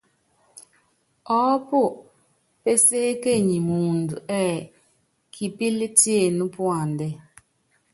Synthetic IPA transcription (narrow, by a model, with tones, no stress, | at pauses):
ɔ˦pu˦˨ | pe˦seː˦ke˦˨ɲi˨mu˨ndu˨ʔɛ˦˨ | kʰi˨pi˦li˦ti˦e˨nu˦pwa˨ndɛ˦